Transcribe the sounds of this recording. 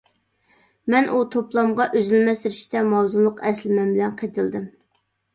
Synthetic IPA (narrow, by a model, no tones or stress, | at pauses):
mɛnʔut̪ʰoplˠɑmʁɑʔøzylmɛst̪ɪɾɪʃt̪ɛmɑwzunlˠʊqʰɛslɪmɛnbɪlɛnqʰet̪ʰɨlˠd̪ɨm